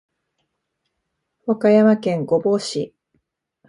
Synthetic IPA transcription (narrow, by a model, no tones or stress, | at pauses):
wakajamakẽ̞ŋɡo̞bo̞ːɕi